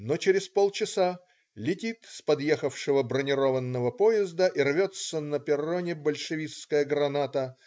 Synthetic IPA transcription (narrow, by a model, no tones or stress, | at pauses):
not͡ɕɪɾʲɪspolˠt͡ɕɪsa | lʲɪtʲit̪spɐd̪jexəfʂɨvəbɾənʲɪɾovənːəvəpoɪzd̪əʔirvʲot̪sənəpʲɪronʲɪbəlʲʂɨvʲiskəjəɡɾɐnat̪ə